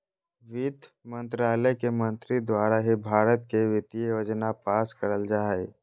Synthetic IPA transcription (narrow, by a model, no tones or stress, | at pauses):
ʋiːd̪ | mə̃nt̪ɾaːləjkemə̃nt̪ɾid̪waːɾaɦibʱaːɾət̪keʋɪt̪ijjoːd͡ʒnapaːskəɾəld͡ʒaːe